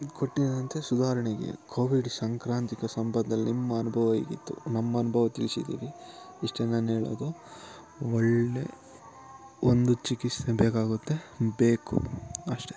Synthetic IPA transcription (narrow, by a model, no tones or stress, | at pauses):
koʈːid̪ɐnt̪e̞sud̪aːɾɐɳɛɡḛkʰoːʋiɖsaːŋkɾaːnt̪ikɐsɐmbɐnʱːɐlːinimːɐːnubʱɐʋɐḭːɡḭt̪ːṵnɐmːɐɐnubʱɐʋɐt̪ilisid̪ḭːɾiiʂʈɐnːɐːnɦeːɭo̰ːd̪u | ɔɭːe | ond̪ut͡ʃikist̪ebeːkaːɡut̪ːe̞be̞ːkṵɐʂʈe̞